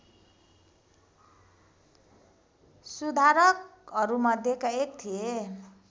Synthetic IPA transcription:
sud̪ʱaɾʌkʌɾumʌd̪ʱjekaek̚t̪ʰie

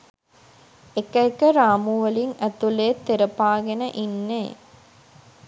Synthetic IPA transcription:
ekɐikəɾaːmuʋɐliŋæt̪uleːt̪ːeɾɐpaːɡenəʔinːeː

